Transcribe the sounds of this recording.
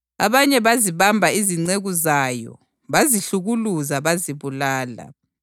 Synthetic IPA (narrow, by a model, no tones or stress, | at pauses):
a̰βaɲɛβaziβambʱaiziŋ͡ǀeɣuzajɔ̰ | βaziɬuɣuluzaβaziβulaːla̰